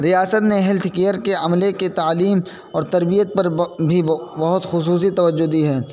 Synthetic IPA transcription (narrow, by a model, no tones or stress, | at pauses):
ɾijaːsət̪neɦɪlt̪ʰkeːəɾkeɐmleket̪aːliːm | ɔːɾt̪ɐɾbijət̪̚pɐɾbʱibɐɦʊt̪xʊs̬uːs̬it̪ɐʋəd͡ʒːod̪iɦɛː